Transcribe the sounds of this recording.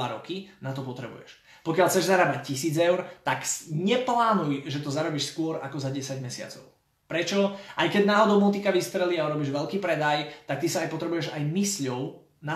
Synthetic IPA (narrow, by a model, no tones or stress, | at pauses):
a̰ɾɔkinat̪ɔpɔt̪ɾɛbṵjɛ̰ʃ | pɔkɪalxt͡sɛʒzaɾaːbac̚cisiːd͡zɛʊɾt̪akɲɛplaːnujʒɛt̪ɔzaɾɔbiːʃskʊɔɾakɔzaɟɛsaɟmɛsɪa̰t͡sɔ̰ʊ | pɾɛt͡ʃɔʔajkɛɟnaːɦɔd̪ɔʊmult̪̬ikaʋist̪ɾɛliːauɾɔbiːʒʋɛlkiːpɾɛd̪ajt̪ak̚t̪isaːjpɔt̪ɾɛbujɛʒajmisʎɔʊ | na